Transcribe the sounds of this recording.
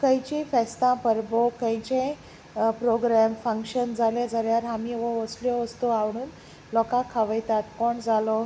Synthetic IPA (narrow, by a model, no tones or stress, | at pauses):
kəjt͡ɕĩfɛst̪ãpəɾbɔkəjt͡ɕẽ | pɾoɡɾamfə̃ŋkɕənd͡zʱaled͡zaljaɾɦamiːʋɔʋəsljɔʋəst̪oaʋɽ̃uːn | lɔkãkʰaʋəjt̪at̪̚kɔɳd͡zʱalɔ